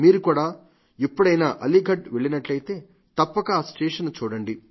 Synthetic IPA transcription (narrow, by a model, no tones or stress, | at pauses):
miːɾukuːɽaː | ipːuɽɐjnaʔɐliɡʱɐʈʋeɭinɐʈlɐjt̪e̞ː | t̪ɐpːɐkɐːsʈeːʂɐnt͡ʃuːɽɐɳɖi